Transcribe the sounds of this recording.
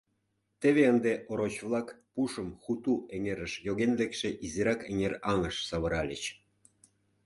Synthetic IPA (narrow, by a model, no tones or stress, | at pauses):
t̪eβeənd̪eʔoɾot͡ɕvlˠɑk | puʃə̆mxut̪uʔeŋeɾə̆ʃjoɣenlekʃĕʔiziɾɑkeŋerɑŋəʃsɑβɤ̆ɾɑlʲḛt͡ɕ